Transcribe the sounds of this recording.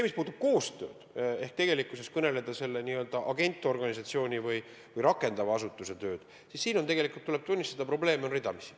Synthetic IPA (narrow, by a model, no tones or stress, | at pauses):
emispuːd̪ub̥̚ko̞ːst̪ø̞̰ːd̪̥e̞hk̚t̪e̞ɡ̥e̞likːˑuse̞skɤne̞le̞d̪̥ɑse̞lːe̞niø̞ld̪̥ɑʔɑɡe̞nʲt̪ˑːo̞rɡ̥ɑnʲis̬ɑt̪sio̞ːnʲivɯj | vɯjɾɑkːˑe̞nd̪̥ɑvɑɑsut̪ːˑuse̞t̪ø̞ːd̪̥ | sissiːno̞neɡe̞likˑult̪ːule̞b̥̚t̪unʲːist̪ɑd̪ɑpro̞ble̞ːmeo̞nrid̪ɑmisi̥